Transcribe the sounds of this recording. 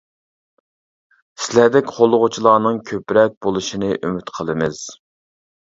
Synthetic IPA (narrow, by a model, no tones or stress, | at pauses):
sɪlæɾd̪ɛkʲqʰolˠʊʁʊt͡ʃʰilˠɑːnɨŋkʲʰøpɾɛk̚ʲbolˠɨʃinɨʔymyt̪qʰəlˠɨmɨz̥